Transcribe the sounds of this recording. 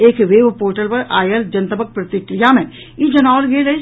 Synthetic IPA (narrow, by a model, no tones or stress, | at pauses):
eːkʋeːʋpoːɾʈəlpɐɾaːjəld͡ʒɐnt̪əbək̚pɾɐt̪ɪkɾijamẽ | jid͡ʒɐnaːlɡeːle